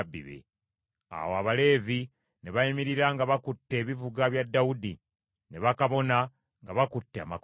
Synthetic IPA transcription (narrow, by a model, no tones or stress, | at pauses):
bːḭβe̞̰ | a̰woaβale̞ːzi | ne̞βaimiɾiɾaŋɡaβakutːe̞ːβivuɡaβjadːawudi | ne̞βakaβo̞na | ŋɡaβakutːea̰mak